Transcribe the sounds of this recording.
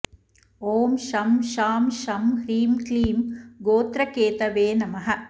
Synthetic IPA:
oːmʃɐmʃaːmʃɐmhɾiːmkliːmɡoːt̪ɾɐkeːt̪ɐʋeːnɐmɐɦɐ̆

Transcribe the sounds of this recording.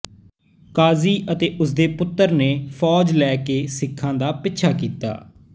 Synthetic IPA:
kaːziːʔət̪eːʔʊsd̪eːpʊt̪ːəɾneːfʰɔːd͡ʒlɛːkeːsɪkʰːãːd̪aːpɪtːʃʰaːkiːt̪a̰ː

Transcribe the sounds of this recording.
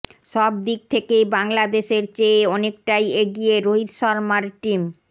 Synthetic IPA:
ʃɔb̚d̪ik̚t̪ʰekejbaŋlad̪eʃeɾt͡ɕeɔnek̚ʈajeɡijeɾoɦid̪ʃɔɾmaɾʈim

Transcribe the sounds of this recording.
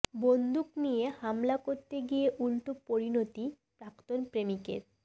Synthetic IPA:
bond̪uknijehamlakoɾt̪eɡijeʔulʈopoɾinot̪ipɾakt̪onpɾemikḛɾ

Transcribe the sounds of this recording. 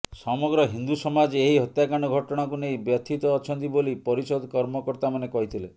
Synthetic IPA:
sɔmɔɡɾɔɦind̪usɔmad͡ʒeɦiɦɔt̪jakaɽ̃ɔɡʱɔʈɔɽ̃akunejbjɔt̪ʰit̪ɔːt͡ʃʰɔnt̪̬ibolipɔɾisɔd̪ʱkɔɾmɔkɔɾt̪amanekɔɦit̪ʰile

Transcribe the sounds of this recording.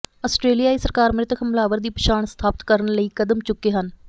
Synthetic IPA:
əsʈɾeːlijaːiːsəɾkaːɾmɾɪt̪kʰəmlaːʋəɾd̪iːpəʃaːɳst̪ʰaːpɪt̪kəɾənləiːkəd̪əmt͡ʃʊkːeːɦən

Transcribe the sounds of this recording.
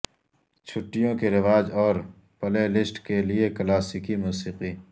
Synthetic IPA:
t͡ʃʰʊʈːijõkeɾɪʋaːd͡ʒɔːɾ | pɐlelɪsʈkelieklaːsikimuːsiːqiː

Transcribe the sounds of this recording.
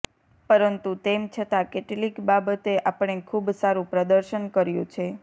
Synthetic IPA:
pəɾənt̪ut̪emt͡ʃʰət̪akeʈlikbabət̪eʔapəɳ̃ekʰubsaɾũpɾəd̪əɾʃənkəɾjũt͡ʃʰe

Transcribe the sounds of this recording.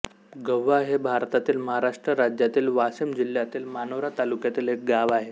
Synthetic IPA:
ɡəʋːaɦebʱaɾt̪at̪iːlməɦaɾaʂʈɾəɾad͡ʑjat̪iːlʋasəmd͡ʑil̤jat̪iːlmanəʋɾat̪alukjat̪iːlɦek̚ɡaʋaɦe

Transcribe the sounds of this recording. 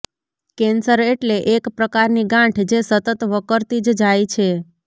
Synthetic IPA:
kensəɾeʈleʔekpɾəkaɾniɡãʈʰd͡ʒesət̪ət̪ʋəkəɾt̪id͡ʒd͡ʒajt͡ʃʰe

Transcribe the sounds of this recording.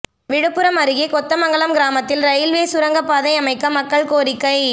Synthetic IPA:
ʋɪɽɯpːɯɾɐmɐɾɯɣeːkɔt̪ːɐmɐŋɡɐɭɐmɡɪɾaːmɐt̪ːɪlɾɐjɪlʋeːsʊɾɐŋɡɐpːaːðɐɪɐmɐɪkːɐmɐkːɐɭkoːɾɪkːɐɪ

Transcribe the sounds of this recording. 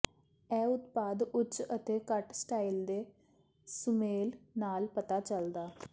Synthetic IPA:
ɛːʊt̪paːd̪ʊt͡ʃət̪eːkəʈsʈaːild̪eː | sʊmeːlnaːlpət̪aːt͡ʃəld̪aː

